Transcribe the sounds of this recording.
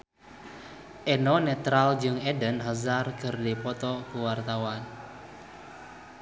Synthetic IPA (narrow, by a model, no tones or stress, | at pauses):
ʔenɔnɛt̪ɾald͡ʒɨŋedənɦazarkɨrdipɔt̪ɔkuwart̪awan